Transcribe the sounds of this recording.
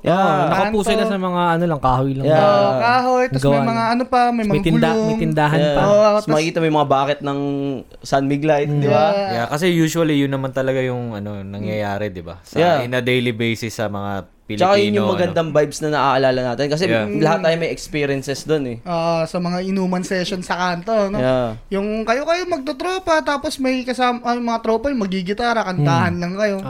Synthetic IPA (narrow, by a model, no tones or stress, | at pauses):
janɐkɐpuːsojnɐsɐmɐŋaʔɐnolɐŋkaːhojlɐjaokaːɦojt̪ɐsɡɐwmɐamɐŋaɐnopɐmɐjmɐmt̪ɪnd̪amɛt̪ɪnd̪aːɦɐj̪amɐkikiːt̪ɐmɐjmɐŋabaːkɛt̪̚nɐŋ | sanmiɡlajt̪d̪ɪajakɐsɛjuːʃuɐlijʊnːɐmant̪ɐlɐɡajʊŋɐno̞nɐŋjɐjaːɾɛd̪ɪba̰sɐjaɪnɐd̪ejlibejsɪsːɐmɐŋa̰ | pɪlt͡ʃːɐkajʊnjʊmɐɡɐnd̪ɐŋbajbsnɐnɐʔaʔɐlaːlɐnaːt̪ɪnkɐs̬ɛlɐhat̪ːaːjomɐjɛkspiːɾɪɛnsɛsd̪onɛʔoːʔosɐmɐŋaʔɪnuːmɐnsɛʃonsɐkaːnt̪oɐnojjajʊŋkɐjo̞kɐjomɐɡ̚t̪ot̪ɾoːpɐt̪aːpo̞smɐjkɐsaːmmɐŋat̪ɾoːpɐjʊŋmɐɡiɡɪt̪aːɾɐkɐnt̪aːhɐnlɐŋkɐjo̞